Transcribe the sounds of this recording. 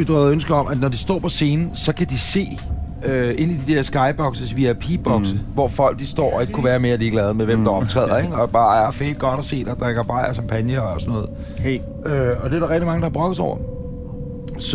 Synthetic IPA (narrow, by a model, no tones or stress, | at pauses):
id̥ʁð̩ˠønsɡ̥ɐɒ̽mʔæd̥nɒd̥isd̥ɒ̰ːpʰɒ̽se̝ːnn̩sɒ̽kʰæd̥ise̝̰ː | øe̝n̰id̥id̥eɐsɡ̥ɑ̈ɪb̥ɒ̽ɡ̥səsʋiæpʰib̥ɒɡ̥səʋɒfɒ̽l̰ɡ̥̚d̥isd̥ɒ̰ːɒe̝ɡ̥ə̥kʰuʋæːɐme̝ːɐd̥ie̝ɡ̥lɛːðˠmeʋemd̥ɑ̈ɒ̽bt͡sʰʁɛ̰ð̰ˠɐeɡ̥ɒ̽b̥ɑ̈ːæfḛːd̥ɡ̥ɒ̽ɾ̥ɒ̽se̝̰ːd̥ɒd̥ʁaɡ̥ɐb̥ɑ̈ɪ̰ɐkɑmpʰænjɐːsɒnɔ̽ːð̩ˠ | øɒ̽d̥e̝æɾɑɐʁɛk̚d̥imɑŋəd̥ɑhːbʁɔ̽ɡ̥ð̩ˠsɒ̰ʊ̰ɐ | s